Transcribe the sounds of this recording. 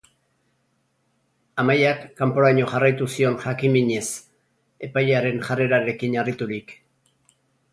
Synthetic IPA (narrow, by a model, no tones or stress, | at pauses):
amajakːampo̞ɾaɲo̞ʝarajt̪usio̞nʝakimiɲe̞s | e̞pajaɾe̞nʝare̞ɾaɾe̞kiɲarit̪uɾik